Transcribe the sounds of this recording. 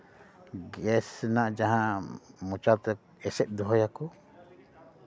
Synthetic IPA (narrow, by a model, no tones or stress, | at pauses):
ɡɛsnaʔd͡ʒaɦãmɔt͡ʃat̪ɛ | ɛsɛt̪̚ˀd̪ɔɦɔjakɔ